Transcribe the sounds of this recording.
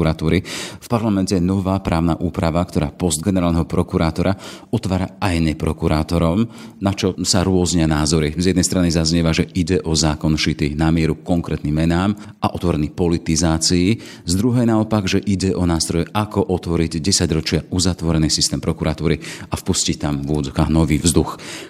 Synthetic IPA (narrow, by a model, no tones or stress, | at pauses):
uɾat̪uːɾifpaɾlamɛncɛjnɔʋaːpɾʔaːʊna̰ːʔuːpɾaʋakt̪ɔɾa̰ːpɔzd̪̚ɡɛnɛɾaːlnɛɦɔpɾɔkuɾaːt̪ɔɾaɔt̪ʋaːɾa̰ajnɛpɾɔkuɾaːt̪ɔɾɔmnat͡ʃɔsaɾʊɔzɲɪanaːzɔɾizjɛd̪nɛjst̪ɾanizazɲɛʋaʒɛʔiɟɛʔɔzaːkɔnʃit̪inamɪɛɾukkɔŋkɾɛ̰ːt̪nimːɛnaːm | ʔaʔɔt̪ʋɔɾɛnipɔlit̪izaːt͡sii | zd̪ɾuɦɛjnaɔpaɡʒɛʔiɟɛʔɔnaːst̪ɾɔjɛʔakɔʔɔt̪ʋɔɾiɟɟɛsaɟɾɔt͡ʃɪauzat̪ʋɔɾɛniːsist̪ɛːmpɾɔkuɾʔat̪uːɾiafpuscict̪amvʊɔd͡zɔkaːɦnɔʋiːvzd̪ux